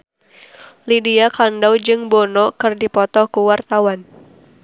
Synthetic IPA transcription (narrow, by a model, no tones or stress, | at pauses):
lidiakandawd͡ʒɨŋbɔnɔkɨrdipɔt̪ɔkuwart̪awan